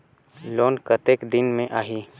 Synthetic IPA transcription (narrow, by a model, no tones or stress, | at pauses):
loːnkət̪eːkd̪ɪnmẽʔaːɦiː